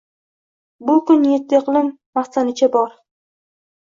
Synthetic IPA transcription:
bʊkʊnjet̪ʰːɪeqlˠɪmːaχsanɪt͡ʃʰabɒɾ

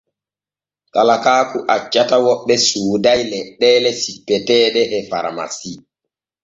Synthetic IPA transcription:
kalakaːkuʔat͡ʃːatawɔɓːɛsuːdajlɛɗːɛːlɛsipːɛtɛːɗɛʔɛfa̰ɾma̰si

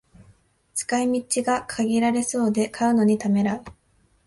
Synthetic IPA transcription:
t͡sɨ̥kaimʲit͡ɕiɡakʰaɡʲiɾaɾe̞so̞ːd̪e̞kʰaɯ̟no̞ɲ̟it̪ame̞ɾaɯ

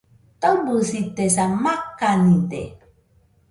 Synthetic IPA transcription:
t̪obusit̪esamakːanit̪ḛ

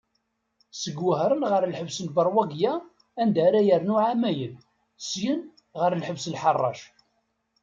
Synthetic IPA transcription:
səɡwəɦɾˤənʁəɾˤlħəvsənbərˤwæɡjæ | ænd̪æɾæjəɾnʊʕamæjən | sjən | ʁəɾlħəvsəlħɑrˤːɑ̰ʃ

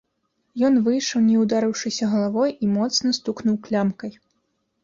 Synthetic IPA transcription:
jɔnvɨjʂɐwnʲɛwd̪aɾɨwʂɨsʲɐɣɐlˠavɔjimɔt̪snɐst̪uknuwklʲamkɐj

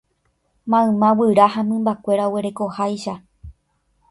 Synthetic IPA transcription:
mãɨ̃mãwɨɾahamɨ̃mbakʷe̞ɾaoweɾe̞ko̞hajʃa

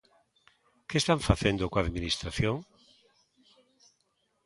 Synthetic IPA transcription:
kest̪aɱfaθend̪okoaðminist̪ɾaθjoŋ

